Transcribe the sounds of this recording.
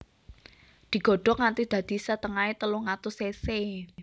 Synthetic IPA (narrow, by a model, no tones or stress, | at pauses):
d̪̥i̤ɡ̥ɔ̤ɖ̥ɔ̤ŋant̪id̪̥ä̤d̪̥i̤sət̪əŋaet̪əlʊŋat̪ʊsese